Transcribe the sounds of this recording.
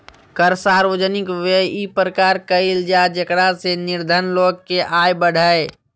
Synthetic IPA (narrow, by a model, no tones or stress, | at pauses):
kəɾsaːɾʋəd͡ʒənɪkʋeipɾəkaːɾkəild͡ʒad͡ʒəkɽasenɪɾd̪ʱənloːɡ̚keʔaːjbəɽ̤ʱəe